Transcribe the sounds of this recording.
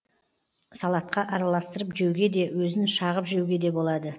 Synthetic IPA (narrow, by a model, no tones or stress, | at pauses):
sɑlˠɑt̪̚qɑʔɑɾɑlˠɑst̪əɾəpʒewɡʲe̞d̪e̞wɵzɪnʃɑʁəpʒewɡʲe̞d̪e̞bo̞lˠɑd̪ə